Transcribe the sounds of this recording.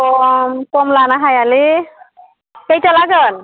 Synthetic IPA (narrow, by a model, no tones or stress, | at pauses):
ɔmkɔmlanaɦajali | kejtalaɡɯn